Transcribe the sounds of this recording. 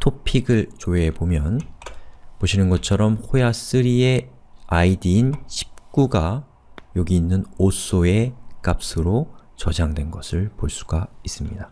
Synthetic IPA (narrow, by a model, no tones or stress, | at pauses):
tʰopʰiɡɯɭt͡ɕoebomjʌn | poɕʰinɯnɡʌt͡ɕʰʌɾʌmhojas͈ɯɾie̞ | aidiːnɕʰi̥p̚k͈uɡa | joɡiːnːɯnos͈ʰoe̞k͈ap̚s͈ɯɾot͡ɕʌd͡ʑaŋdwe̞nɡʌsʰɯɭpoɭs͈u̥ɡais͈ɯmɲida